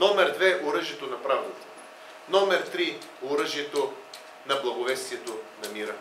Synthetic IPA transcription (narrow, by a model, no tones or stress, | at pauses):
nɔmɛɾd̪vɛʔoɾɤʒiɛt̪onɐpɾavlot̪ | nɔmɛɾt̪ɾioɾəʒiɛt̪o | nɐblˠɐɡovɛst̪viɛt̪onɐmiɾə